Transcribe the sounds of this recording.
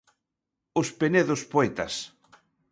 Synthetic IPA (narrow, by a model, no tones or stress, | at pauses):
ʊspeneðospoɛt̪ɐ̰s